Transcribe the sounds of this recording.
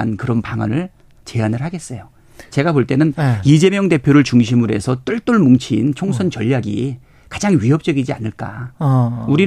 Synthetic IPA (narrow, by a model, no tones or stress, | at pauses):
ankɯɾʌnpaŋa̰nɯɭ | t͡ɕe̞anɯɭɦaɡe̞s͈ʌjo | t͡ɕe̞ɡapoɭt͈e̞nɯnid͡ʑe̞mjʌŋde̞pʰjoɾɯɭt͡ɕuŋɕʰimɯɾe̞̰sʰʌt͈ɯɭt͈uɭmuŋt͡ɕʰint͡ɕʰoŋsʰʌnt͡ɕʌʎːaɡḭ | kad͡ʑaŋɥiɦʌp̚t͡ɕ͈ʌɡid͡ʑianɯɭk͈a̰ | uɾi